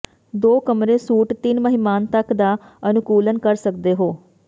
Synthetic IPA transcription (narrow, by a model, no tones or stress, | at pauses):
d̪oːkəmɾeːsuːʈt̪ɪnməɦɪmaːnt̪əkd̪aː | ənʊkuːlənkəɾsək̚d̪eːɦoː